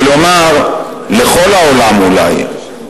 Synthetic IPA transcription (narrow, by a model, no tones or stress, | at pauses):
lomaɾ | lexɔlaolamula̰j